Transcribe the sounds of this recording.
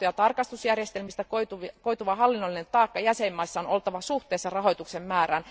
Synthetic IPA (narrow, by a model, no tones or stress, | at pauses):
ojɑt̪ɑrkɑst̪usjærjest̪elmist̪ækot̪uʋkojt̪uʋɑhɑlːinːolːinent̪ɑːkːɑjæsemːɑisːɑːnʔolt̪ɑʋɑsuht̪eːsːɑrɑɦo̞jt̪uksemmæːɾæːn